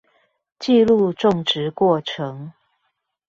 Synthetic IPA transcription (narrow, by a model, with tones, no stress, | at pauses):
t͡ɕi˥˧lu˥˧ʈ͡ʂʊ˥˨ŋʈ͡ʂɻ̩˧˦kwɔ˥˩ʈ͡ʂʰɤ˧˦ŋ